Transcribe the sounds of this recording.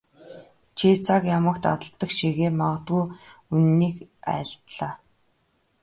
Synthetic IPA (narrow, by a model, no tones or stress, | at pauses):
t͡ɕʰiːt͡sʰakjamə̆k̚t̪a̰t̪ə̆ɮt̪ːə̆kʃiɣeːmaʁə̆t̪ɣujunːiːkæ̰ːɬt̪ɮaː